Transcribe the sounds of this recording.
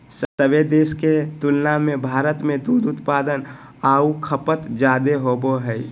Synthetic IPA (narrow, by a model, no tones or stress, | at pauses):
səbed̪eːsket̪ʊlnamẽbʱaːɾət̪mẽd̪uːd̪ʊt̪paːd̪ən | aːukʰəpət̪d͡ʒaːd̪eɦoːboɦɛj